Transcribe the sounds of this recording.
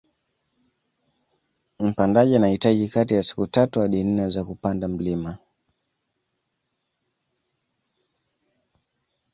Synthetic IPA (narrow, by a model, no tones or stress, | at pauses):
m̩pandaʄianahitaʄikatijasi̥kutatuwaɗinnazakupandam̩lima